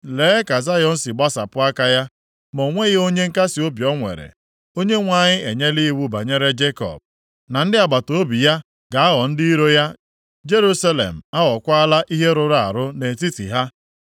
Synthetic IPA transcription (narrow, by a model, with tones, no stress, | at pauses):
leː˨˦ka˨za˦jɔ˨n̩˦sɪ˨ɡ͡ba˦sa˨pʊ˦a˦ka˦ja˦ | mo˨ŋʷe˦ɣɪ˦o˦ɲe˦ŋ̩˦ka˦sɪ˨o˦bjɔ˦ŋʷḛ˨ɾḛ˨ | o˦ɲe˦ŋʷa˨ɲɪ˦ʔe˨ɲe˦li˦i˦wu˦ba̰˨ɲe˦ɾe˦d͡ʒe˦kɔ̰˨b̚ | na˨n̩˦dɪ˦a˨ɡ͡ba˨to˨o˦bi˨ja˦ | ɡa˨a˦ɣɔ˨n̩˦di˦i˦ɾo˦ja˦ | d͡ʒe˦ɾu˦sa˦lḛ˨m̩˨a˦ɣɔ˨kʷa˦a˦la˦ʔi˦ɦe˦ɾʊ˨ɾa˦a̰˨ɾʊ˦ne˨ti˦tḭ˨ɦa˦